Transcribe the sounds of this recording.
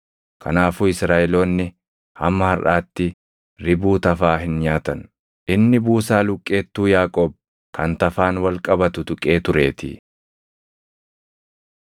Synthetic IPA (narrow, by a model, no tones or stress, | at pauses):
kʰɐ̰naːfuːɪsɾaːʔɛlo̞ːnːɪ | hɐ̰mːɐhɐɾʔaːt̪ːɪ | ɾɪbuːt̪ɐfaːɦɪnɲaːt̪ɐn | ʔɪnːɪbuːsaːlʊkʼːe̞ːt̪ːuːjaːkʼoːb̚ | kʰɐnt̪ɐfaːnwɐlkʼɐbɐt̪ʊt̪ʊkʼe̞ːt̪ʊɾe̞ːt̪ɪ̰